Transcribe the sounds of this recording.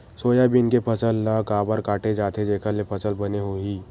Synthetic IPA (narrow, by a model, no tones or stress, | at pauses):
soːjabinkepʰəsəlːakabaːɾkaʈʰed͡ʒat̪ʰed͡ʒekʰalepʰəsəlbəneɦoiː